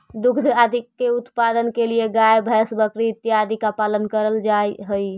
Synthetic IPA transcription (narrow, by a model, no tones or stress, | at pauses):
d̪ukʰd̪ʱad̪ʱikːeut̪pad̪ənkelijeɡaebʱɛsbəkɾit̪ːiad̪ʱikapalənkəɾəld͡ʒajɦəj